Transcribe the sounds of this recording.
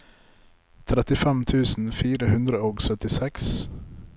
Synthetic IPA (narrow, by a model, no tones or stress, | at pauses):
t̪ʰɾɛt̪ɪfɛmt̪ʰʉːsn̩fiːɾəhʉnd̪ɾəoːɡsœt̪ɪsɛks